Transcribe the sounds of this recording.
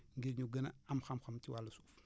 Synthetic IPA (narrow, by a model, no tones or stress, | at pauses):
ŋɡiɾɲuɡɐnɐ̰ɐmxɐmxɐmtiwalːɐsuːf